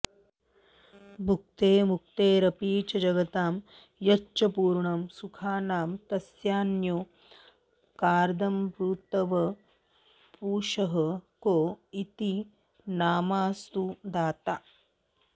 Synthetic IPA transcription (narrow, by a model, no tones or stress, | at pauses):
bʱuk̚t̪eːmuk̚t̪eːɾɐpiːt͡ʃɐd͡ʒɐɡɐt̪aːm | jɐt͡ʃːɐpuːɾɳɐmsukʰaːnaːmt̪ɐsjaːnjoː | kaːɾd̪ɐmpɾuːt̪ɐʋɐ | puːʃɐɦɐkoːit̪i | naːmaːst̪ud̪aːt̪aː